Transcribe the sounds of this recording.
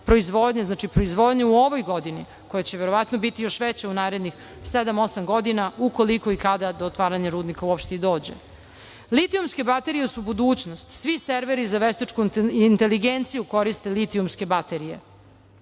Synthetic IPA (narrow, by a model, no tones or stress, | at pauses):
pɾo̞izʋod̪ɲaznaːt͡ʃipɾo̞izʋo̞d̪ɲeuo̞ʋojɡo̞d̪ini | ko̞jat͡ɕeʋeɾo̞ʋat̪nobit̪ijo̞ʃʋet͡ɕaunaːɾed̪nix | sed̪amo̞samɡo̞d̪inaukoliko̞ikad̪ad̪oːt̪ʋaːɾaɲaɾuːd̪nikauopʃt̪eid̪o̞ːd͡ʑe̞̰ | lit̪iumske̞bat̪e̞ɾijesubud̪uːt͡ɕnost̪sʋiseɾʋeɾizaʋest̪et͡ʃkunt̪eliɡent̪sijuko̞ɾist̪e̞lit̪iumske̞bat̪e̞ɾije̞̰